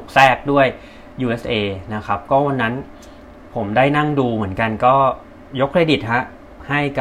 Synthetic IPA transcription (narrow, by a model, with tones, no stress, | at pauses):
k̚sɛː˥˩k̚du˥˩əj | juː˧ʔe˦˥sʔeː˧na˦˥kʰa˦˥p̚kɔː˥˩wa˧nːa˦˥n | pʰo˩˦mdaː˥˩jna˥˩ŋduː˧mɯ˩˦ənka˧nkɔː˥˩ | jo˦˥kʰːɾeː˧di˨˩t̪̚ha˦˥ʔ | ha˥˩jka˨